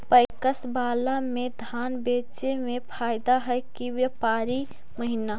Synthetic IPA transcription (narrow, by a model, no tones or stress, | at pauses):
pəɪkəsbaːlamẽd̪ʱaːnbeːt͡ʃemẽpʰaɪd̪aɦəjkiwjəpaːɾi | məɦina